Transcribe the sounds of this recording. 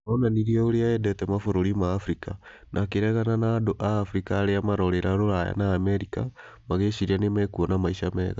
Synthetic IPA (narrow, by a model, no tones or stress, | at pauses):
onaniɾiooɾeaɛdɛtɛmafoɾoɾimaːfɾika | nʔakeɾɛɣananadoʔaːfɾikaːɾeamaɾoɾeɾaɾoɾaja̰naːmeɾika | maɣeʃiɾianemɛkuonamaiʃamɛɣa